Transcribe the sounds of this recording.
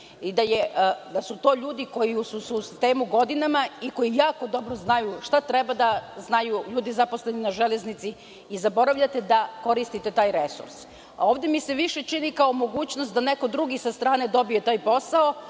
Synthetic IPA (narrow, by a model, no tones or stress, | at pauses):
id̪ajed̪asut̪o̞ːʎuːd̪iko̞jisususi̥st̪e̞ːmuɡo̞d̪inamaiko̞jijaːko̞d̪o̞bɾoznajuʃt̪at̪ɾebad̪aznajuʎuːd̪izapo̞sle̞ninaʒele̞znit̪si | izabo̞ɾaʋʎat̪e̞d̪ako̞ɾist̪it̪e̞t̪aːjɾe̞sṵɾs | o̞ːʋd̪emise̞ʋiʃe̞t͡ʃinikao̞mo̞ɡuːt͡ɕnost̪̚d̪ane̞ko̞d̪ɾuɡisast̪ɾaːne̞d̪o̞bije̞t̪aːjpo̞sao